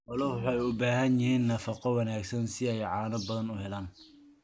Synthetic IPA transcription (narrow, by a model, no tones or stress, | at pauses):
ʔɑlɐwħɑjʊbaːɦɐnjɪhiːnːɐfɑqɔwɑnaːɡsɐnsɪɛjʕɑːnɐbɐðɐnʊɦɛlaːn